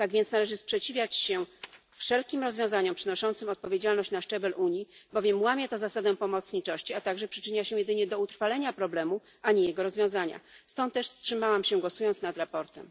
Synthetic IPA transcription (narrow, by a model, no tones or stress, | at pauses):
t̪aɡvʲjɛnsnalɛʐɘspʂɛt͡ɕivʲjat͡ɕɕɛ | fʂɛlkʲimɾɔzvjɔ̃w̃zaɲɔmpʂɘnɔʂɔnt̪sɘmɔt̪̚pɔvʲjed͡ʑalnɔɕt͡ɕnaʂɛbɛlʔuɲibɔvʲjɛmwamʲjat̪ɔzasad̪ɛpɔmɔt̪sɲit͡ʂɔɕt͡ɕiat̪aɡʐɛpʂɘ̥t͡ʂɘɲaɕɛjɛd̪ɘɲɛd̪ɔut̪ɾfalɛɲapɾɔblɛmu | aɲijɛɡɔɾɔzvjɔ̃w̃zaɲa̰st̪ɔnt̪ːɛʂfstʂɘmawamɕɛɡwɔsujɔnt̪snad̪ɾapɔɾt̪ɛ̰m